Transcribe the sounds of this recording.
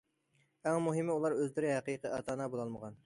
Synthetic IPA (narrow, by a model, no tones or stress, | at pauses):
æŋmuɦɪmɪulˠɑɾøzlɪɾɪɦæqijqəʔɑt̪ʰɑːnɑbolˠɑlˠməʁɑn